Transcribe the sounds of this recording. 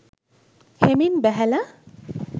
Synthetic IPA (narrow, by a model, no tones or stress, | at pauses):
heminbɛɦɛla